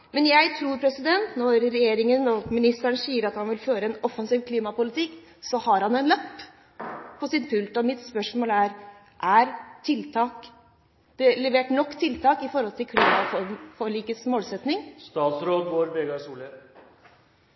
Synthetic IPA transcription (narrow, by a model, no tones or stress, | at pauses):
mɛnjæɪt̪ʰɾuːɾpʰɾɛsɪd̪ɛnt̪nɔɾːɛjeːɾɪŋənɔmɪnɪst̪æɳsiːəɾɑt̪hɑnʋɪlføːɾəɛnɔfɑnsiːʋkʰliːmɑpʊlɪt̪ɪkː | sɔhɑɾhɑnɛnlɑpː | pʰɔsɪnpʰʉlt̪ɔmɪt̪spœʂmoːlæɾ | ʔæɾt̪ʰɪlt̪ʰɑːk | d̪̥ɛlɛʋeːʈnɔkːt̪ʰɪlt̪ʰɑːkɪfɔɾhɔlt̪ʰɪlkʰliːmɑfɔfɔɭiːkəsmoːlsɛt̪nɪŋst̪ɑːt̪sɾoːd̪ɡoːɾbeɡɑsuːlə